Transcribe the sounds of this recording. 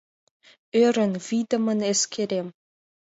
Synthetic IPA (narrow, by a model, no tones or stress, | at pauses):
øɾənvid̪ɐməneskʲʰeɾʲem